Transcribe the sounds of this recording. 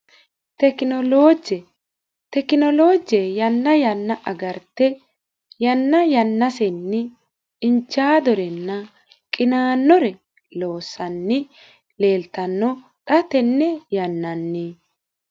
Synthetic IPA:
t̪ɛkɔlod͡ʒ | t̪ɛkːɪnɔloːd͡ʒɛjɐnːɐjɐnːɐʔɐɡɐɾt̪ːɛ | jɐnːɐjɐnːɐsɛnːɪ | ɪnt͡ʃːaːd̪ɔɾɛnːɐ | kʼɪnaːnːɔɾɛ | lo̞ːsːɐnːɪ | le̞ːlt̪ɐnːɔ | t̪ʼɐt̪ɛnːɛjɐnːɐnːi

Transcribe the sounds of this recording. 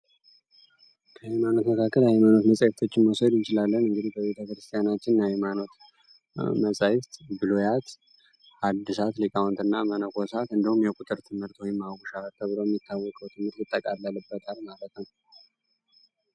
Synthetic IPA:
kʰəhajmano̞t̪məkʰakːəlhajmano̞t̪məsʼajɪft̪ʰo̞t͡ʃːɪnmowsəd̪jɪnt͡ʃɪlalːənɨŋɡɨd̪ihbəβe̞t̪ʰəkɾɨst̪ʰijanat͡ʃːɪnjahɛmano̞t̪ | məsʼajɪft̪bɨlojat̪ | ad̪ːɨsat̪likʼawnt̪ɨnːa̰mənəkʰo̞sat̪ɨnd̪əhumjɛkʼut̪ʼɨɾt̪ʰɨmhɨɾt̪wɔjɪmːaɡuʃaat̪ʰːəβɨɾojɛmːit̪ːawːɔkʼəwt̪ʰɨmhɨɾt̪jɪt̪ʼːəkʼalːalɨbːət̪ʰalmalət̪nəw

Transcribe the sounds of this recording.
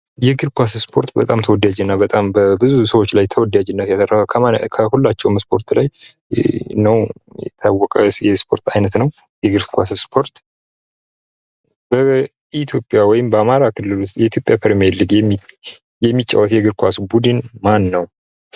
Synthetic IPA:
jɛɡɨɾkʰʷasspʰo̞ɾt̪bət̪ʼamt̪ʰəwɔd̪ad͡ʒɛnːabət̪ʼambəbɨzusəwot͡ʃːlajt̪ʰəwɔd̪ad͡ʒɪnːət̪jasərəhakʰəkʰəhulːat͡ʃːɛwmspʰo̞ɾt̪laj | nəwjɛ̰t̪ʰawːɔkʼəjɛspʰo̞ɾt̪ʰajnət̪nəw | jɛɡɨɾkʰʷasspʰo̞ɾt̪ | bə | it̪ʰjo̞pʼjawɔjɪmbəamaɾakʰɨlːɨlʊst̪ʼjɛit̪jo̞pʼjapʰəɾmelːɨɡɛmːi | jɛmːit͡ʃʼːa̰wɔt̪jɛɡɨɾkʷasbud̪ɨnmanːəw

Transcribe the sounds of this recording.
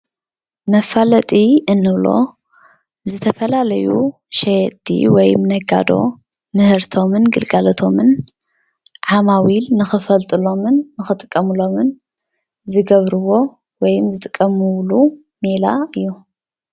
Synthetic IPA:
mɐfalɐt̪ʼiʔɨnːɨβlo̞̰ | zɨt̪ʰɐfɐlalɐjṵ | ʃejt̪ʼːḭwɔjmnɐɡa̰d̪o̞̰ | mɨhɨɾt̪ʰo̞mɨnɡɨlɡalɐt̪ʰo̞mɨn | ʕamawilnɨxɨfɐlt̪ʼɨlo̞mɨnːɨxɨt̪ʼɨkʼːɐmɨlo̞mɨn | zɨɡɐβɾɨwo̞ | wɔjɨmzɨt̪ʼɨkʼːɐmɨwlu | mela̰ɨjːu

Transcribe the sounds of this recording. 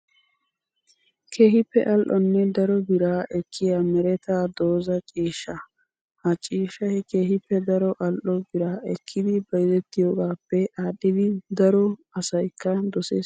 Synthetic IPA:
kʰeːhɪpːɛ̰ʔɐlʔɔnːɛd̪ɐɾɔbɪɾaːʔɛkʰːɪjaːmɛɾɛt̪aːd̪oːzɐt͡ʃʼiːʃːɐ | hɐt͡ʃʼiːʃɐhɛke̞ːɦɪpːɛd̪ɐɾɔʔɐlʔɔbɪɾaːɛkʰːɪd̪ɪbɐjzɛt̪ːɪjoːɡaːpːɛʔaːɗːɪd̪ɪd̪ɐɾɔɐsɐjkːɐd̪ɔsḛː

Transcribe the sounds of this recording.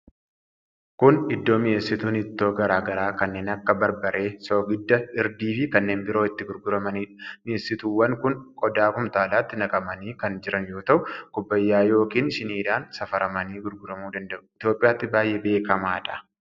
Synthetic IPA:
kʊnɪd̪ːo̞ːmɪeːsːɪt̪uːnɪt̪ːo̞ːɡɐɾaːɡɐɾaːkɐnːe̞ːnɐkːɐbɐɾbɐɾʔe̞ːsoːɡɪd̪ːɐɪɾd̪iːfɪkɐnːe̞ːnbɪɾoːɪt̪ːɪɡʊɾɡʊɾɐmɐniːmɪeːsːɪt̪uːwːɐŋkʊnkʼɔd̪aːkʊmt̪aːlaːt̪ːɪnɐkʼɐmɐniːkɐnd͡ʒɪɾɐnjo̞ːt̪ɐʔʊkʼʊbːɐjːaːjo̞ːkiːnʃɪniːd̪aːnsɐfɐɾɐmɐniːɡʊɾɡʊɾɐmuːd̪ɐnd̪ɐʔʊɪt̪joːpʼːɪjaːt̪ːɪbaːjːebe̞ːkɐmaːᶑɐ̥

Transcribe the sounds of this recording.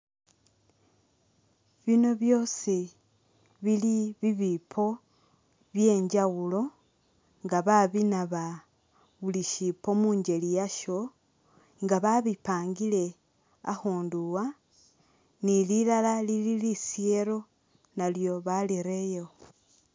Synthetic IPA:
βino̞βjo̞si | βiliβiβipʰo̞ | βje̞ːɲd͡ʒawulo̞ | ŋɡaβaβinaβa | βuliʃipo̞muːɲd͡ʒe̞lijaʃo̞ | ŋɡaβaβipaːŋɡile̞ | a̰xuːnduwa | nililalalililisie̞ɾo̞ | naljo̞βaliɾe̞jo

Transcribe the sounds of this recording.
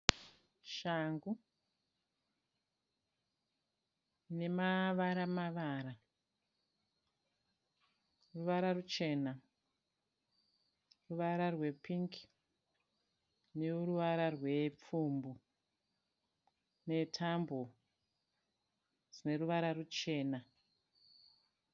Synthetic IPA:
ʃaŋɡu | ne̞maʋaɾamaʋaːɾa | ruʋaɾarut͡ʃe̞na | ruʋaɾarwe̞piŋk | neuruʋaɾarwe̞p͡fuːmbu | ne̞tʰambo | rine̞ruʋaɾarut͡ʃe̞ːna

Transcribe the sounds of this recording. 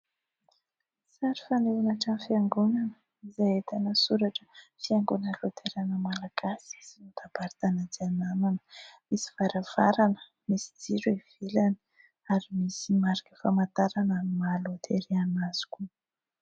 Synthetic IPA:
saɾifaneunaʈ͡ʂanfiaŋɡunanə | izajet̪anəsuɾaʈ͡ʂə̥fiaŋɡunəlot̪ʰeɾanəmalaɡ̥asii̥sinut̪ab̥aɾt̪anad͡zianananə̥misi̥v̥aɾav̥aɾanə̥ | misi̥d͡ziɾwev̥ilani̥ | aɾimisimaɾakəfamant̪aɾanamimalot̪ʰeɾianaz̥i̥ku

